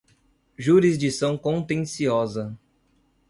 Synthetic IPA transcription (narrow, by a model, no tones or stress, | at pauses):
ʒuɾizd͡ʒisɐ̃w̃kõnt̪ẽsiɔzɐ